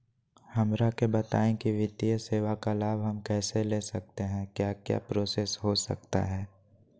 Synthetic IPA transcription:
hɐmɾakebɐt̪a̰ːẽkiʋɪt̪ijəseːʋakalaːbʱɦɐmkɛːseleːsɐk̚t̪eɦɛ̃kjaːkja̰ːpɾoːsesɦosə̰kt̪a̰ɦɛː

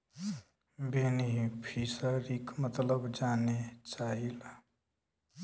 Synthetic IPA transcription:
beniɦipʰisəɾikmət̪ləbd͡ʒaːnet͡ʃaːɦila

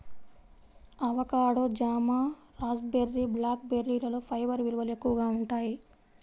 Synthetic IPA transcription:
ɐʋɐkaːɽod͡ʒaːmaː | ɾaːd͡ʒbeɾːiblaːk̚beɾːiːlɐloːpʰɐjʋɐɾʋilʋɐle̞kːuʋɐɡaːuɳʈaːji

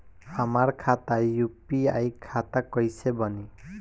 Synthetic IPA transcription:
amaɾkʰat̪ajupia̰jkʰat̪akɔjsebɔni

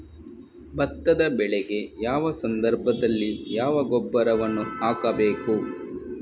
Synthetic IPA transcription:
bɐt̪ːɐd̪ɐbɛɭɛɡe̞jaːʋɐsɐnd̪ɐɾbʱɐd̪ɐlːijaːʋɐɡɔbːɐɾɐʋɐnːuaːkɐbeːku

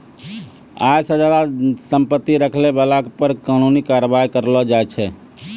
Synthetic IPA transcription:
a̰jsə̃d͡ʒad̪asəmpət̪ːiɾəkʰlebalakepəɾkanunikaɾəbaikəɾlɔd͡ʒajt͡ʃʰɛ

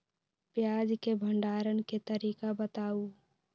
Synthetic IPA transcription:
pjaːd͡ʒkebʱəɳɖaːɾənket̪əɾiːkabət̪aːu

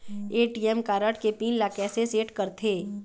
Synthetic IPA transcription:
eːʈiːɛmkaːɾəʈkepiːnlaːkɛːseseːʈkɐɾt̪ʰeː

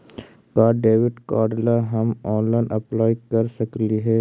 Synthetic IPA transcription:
kaːɖeːʋɪʈkaːɖlaɦɐmɔ̃ːnlaːɪnʔɐplaːjkɐɾsɐkliɦɛː

